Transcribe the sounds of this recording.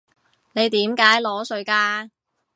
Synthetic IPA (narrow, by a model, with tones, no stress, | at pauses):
ne˨˧jt̪iː˨˥mkaː˨˥jlɔː˨˥sɵ˧ɥkaː˧